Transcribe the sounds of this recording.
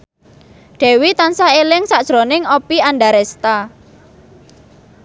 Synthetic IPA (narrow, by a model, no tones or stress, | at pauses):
ɖ̥ɛ̤wit̪ansaelɪŋsad̥ʒ̥ɾonɪŋopianɖaɾɛst̪a